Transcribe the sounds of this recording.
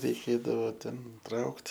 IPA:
rʲɛɪˈkʲeːdɐʋoː ˈtʲɛn ˈtrɐʊkt

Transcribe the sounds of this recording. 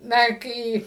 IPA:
ˈnɐ ˈkɐɪ

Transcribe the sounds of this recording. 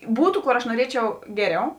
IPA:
ˈbuːtʊ ˈkoːr ɐʃ nuɔˈrʲiɛt͡ʃʲɛʊ ˈɡʲæːˌrʲɛʊ

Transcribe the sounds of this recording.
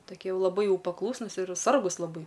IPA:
toːˈkʲiɛ ˈjɛʊ lˠɐˈbɐɪ ˈjɛʊ pɐˈklˠuːsnʊs ɪr ˈsɐrɡʊs lˠɐˈbɐɪ

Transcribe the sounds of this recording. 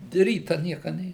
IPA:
ˈrʲiːtɐ ˈnʲiɛkɐ ˈnʲeː

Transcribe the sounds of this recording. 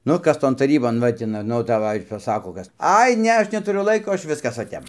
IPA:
ˈnʊ ˈkɐs ˈtoːn tɐˈrʲiːboːn ˈʋɐ tʲɪ nʊ ˈnʊ dɐˈʋɐɪ pɐˈsɑːkoː ˈkɐs ˈɐɪ ˈnʲɛ ˈɐʃ nʲɛtʊˈrʲʊ ˈlˠɐɪkoː ˈɐʃ ˈʋʲɪskɐs ʋɐ ˈtʲɛp

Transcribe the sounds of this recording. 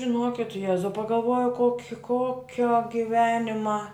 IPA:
ʒʲɪˈnoːkʲɪt ˈjæːzɐʊ pɐɡɐlˠˈʋoːjɛʊ ˈkoːkʲɪ ˈkoːkʲoː ɡʲɪˈʋʲæːnʲɪmɐ

